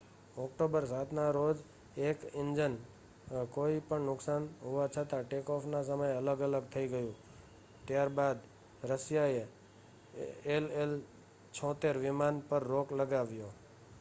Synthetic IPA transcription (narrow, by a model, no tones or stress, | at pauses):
ɔkʈobəɾsat̪ʰnaɾod͡ʒ | ekɪɲd͡ʒən | koipəɳnʊksanɦuʋat͡ʃʰət̪aʈekɔfnas̬əməjələɡələɡ̚t̪ʰəiɡəjũ | t̪jaɾbad̪ | ɾəsjae | elel | t͡ʃʰɔ̃t̪eɾʋɪmanpəɾːokləɡaʋjo